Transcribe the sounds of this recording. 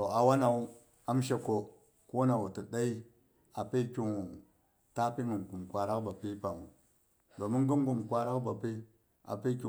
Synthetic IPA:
to˨a˨wa˦na˨u˦ | a˦m˦ʃ̬e˦ko˨ | ku˦na˨wu˨tə˨da˦i˦ | a˨pe˦kʲi˨ŋ˨ | ta˦pi˦mə˨nku˨mkʷa˨ɾa˦kba˨pi˦pa˨ŋu˨ | do˨mu˦ŋɡə˦ŋ˦ɡu˦˨mkʷa˨ɾa˦kba˨pe˦ | a̰˨pe˦kʲi˨

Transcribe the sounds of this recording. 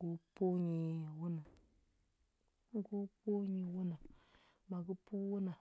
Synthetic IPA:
o˦po˦ɲi˨wu˦na˨ | ɡo˦po˦ɲi˨wu˦na˨ | ma˨ɡu˦pu˦wu˦na˨

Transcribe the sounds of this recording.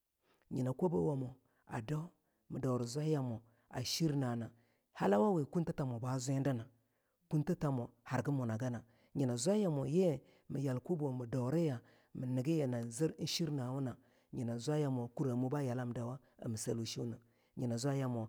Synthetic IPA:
ɲi˨na˨ko˦bo˦wa˨mo˨ | a̰˨da˦ | mi˨da˨wɾi˨zʷa˦ja˨mo˨ | a̰˨ʃi˦ɾna˨na˨ | ha˦la˦wa˦we˨ku˦nta˦ta˨mo˨ba˦zʷn˦da˦na˨ | ku˦nta˦ta˨mo˨ha˨ɾɡi˦mo˨na˨ɡa˦na˨ | ɲi˨na˨zʷa˦ja˨mo˨je˦˨ | mi˨ja˨lko˦bo˨mi˨do˨ɾe˦ja˨ | mə˨ni˨ɡi˦je˨na˨zi˦ɾn̩˦ʃi˦ɾna˨wu˦na˨ | ɲi˨na˨zʷa˦ja˦mo˨ku˦ɾa˨mu˦ba˦ja˨la˦˨m˨da˨wa˦ | a̰˨mə˨sa˨lu˨ʃi˦na˨ | ɲi˨na˨zʷa˦ja˨mo˨

